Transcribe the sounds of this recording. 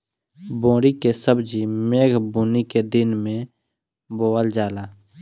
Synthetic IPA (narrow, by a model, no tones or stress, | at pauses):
bõːɽikesəbd͡ʒimeːɡʱbuːniked̪ɪnmẽ | boːəld͡ʒaːlaː